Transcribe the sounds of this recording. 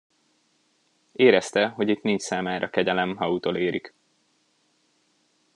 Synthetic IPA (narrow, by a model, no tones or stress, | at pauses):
eːɾɛst̪ɛɦo̞ɟit̪niɲt͡ʃsaːmaːɾʔɒkɛɟɛlɛmɦɒut̪oːleːɾik